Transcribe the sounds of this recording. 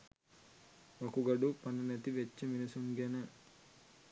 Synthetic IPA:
ʋɐkuɡɐɖupɐnɐnet̪iʋet͡ʃːiminisuŋɡɛnɐ

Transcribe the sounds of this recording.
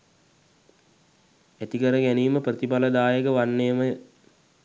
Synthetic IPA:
æt̪ikəɾəɡæniːməprət̪ipaləd̪aːjəkəʋanːejəmə

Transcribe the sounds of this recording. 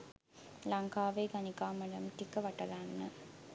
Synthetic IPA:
laŋkaːʋeːɡanikaːmɐɖəmʈikəʋɐʈɐɾanːə

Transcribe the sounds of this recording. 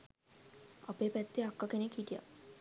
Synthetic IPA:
a̰peːpɛt̪ːeakːakenekhiʈija̰

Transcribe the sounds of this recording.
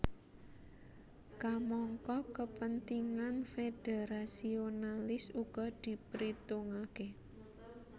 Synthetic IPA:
kamɔŋkɔkəpənt̪iŋanfed̥eɾasionalɪsuɡ̥ɔd̪̥i̤pɾit̪uŋake

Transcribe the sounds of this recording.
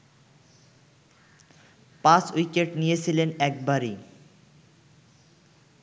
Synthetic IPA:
pãsujkeʈnijet͡ɕʰilenɛk̚baɾi

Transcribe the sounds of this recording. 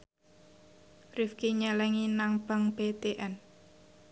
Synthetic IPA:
rifkiɲɛlɛŋinaŋb̥aŋb̥et̪eʔɛn

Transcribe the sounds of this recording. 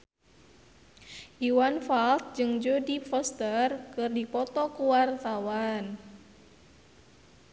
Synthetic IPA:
ʔiwanfalt̪̚d͡ʒɨŋd͡ʒodifɔst̪ərkɨrdipɔt̪ɔkuwart̪awan

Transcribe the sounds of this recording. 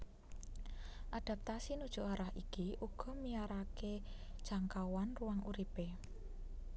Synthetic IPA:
ʔad̪̥a̤p̚t̪asinud̥ʒ̥ṳʔaɾahikiʔuɡ̥ɔ̤miaɾake | d̥ʒ̥a̤ŋkawanruwaŋuɾipe

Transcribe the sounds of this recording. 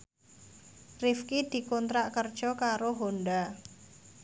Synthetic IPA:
rifkid̪̥i̤kɔnt̪ɾaʔkərd̥ʒ̥ɔ̤kaɾoɦonɖa

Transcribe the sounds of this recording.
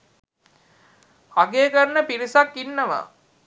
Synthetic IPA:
ɐɡeːkəɾnəpiɾisakːinːəʋa̰

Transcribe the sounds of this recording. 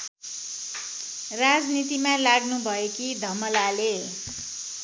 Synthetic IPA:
rad͡znit̪imãlaɡnubʱʌekid̪ʱʌmʌlale

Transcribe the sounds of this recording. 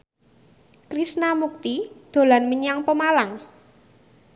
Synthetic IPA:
kɾisnamuk̚t̪id̪̥o̤lanməɲaŋpəmalaŋ

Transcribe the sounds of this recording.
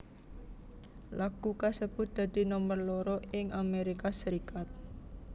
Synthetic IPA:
laɡ̥ukasəb̥ʊ̤t̪̚d̪̥ä̤d̪̥i̤nɔmərlɔɾɔɪŋʔameɾikasəɾikat̪̚

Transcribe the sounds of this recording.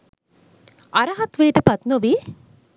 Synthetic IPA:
ʔɐɾɐɦɐt̪ʋeːʈəpɐt̪noʋiː

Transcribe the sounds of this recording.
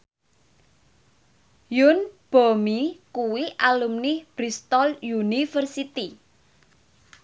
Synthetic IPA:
junb̥omikuwiʔalumnɪb̥ɾist̪ɔljunifərsit̪i

